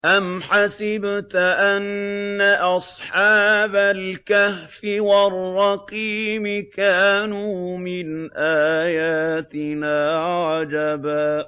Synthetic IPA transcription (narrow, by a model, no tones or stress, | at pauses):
ʔamħasɪbt̪ʔanːaʔɑsˤħɑːbalkahfɪwarˤːɑqiːmɪkaːnuːmɪnʔaːjaːt̪ɪnaːʕɑd͡ʒabaː